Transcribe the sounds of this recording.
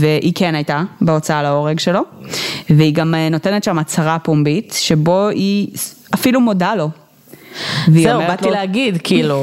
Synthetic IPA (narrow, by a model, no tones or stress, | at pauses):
veʔikʰenajtabeo̞t͡saalao̞ʁeɡʃe̞lo̞veiɡamno̞te̞netʃamat͡saʁapombitʃe̞bo̞iafilumo̞dalo̞ | veizomebatlileaɡid̪kʰiilu